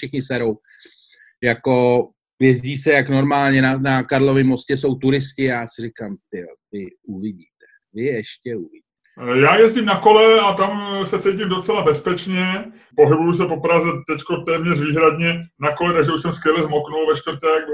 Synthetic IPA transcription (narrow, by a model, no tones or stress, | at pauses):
ʃɪxɲɪsɛɾo̞w | jako̞ | jɛzɟiːsɛjakno̞ɾmaːlɲɛnanakaɾlo̞vɪmːo̞scɛso̞wt̪uɾɪscɪjaːsɪrɪkamt̪ɪotɪuvɪɟiːt̪ɛ̥ | vɪɛʃcɛuvɪɟiːtɛjaːjɛzɟɪmnako̞lɛat̪amsɛt͡sɛjc̬ɪmdot͡sɛlabɛspɛt͡ʃɲɛ | po̞ɦɪbujus̬ɛpo̞pɾazɛt̪ɛckot̪ɛːmɲɛrviːɦɾad̪ɲɛnako̞lɛt̪aɡʒɛuʃsɛmskjɛlɛzmoknulvɛʃt̪vrt̪ɛɡ